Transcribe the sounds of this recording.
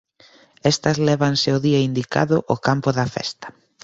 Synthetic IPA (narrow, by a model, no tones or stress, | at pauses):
ɛst̪ɐzlɛβ̞ɐnsɪʊðiɐind̪ika̰ðʊʔokampʊðɐfɛ̰st̪ɐ̥